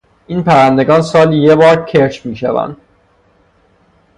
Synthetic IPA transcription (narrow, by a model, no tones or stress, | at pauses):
iːnpʰæɾænd̪e̞ɡɒːnsɒːljebɒːɾcʰeɾt͡ʃʰmiːʃævæ̰nd̪̥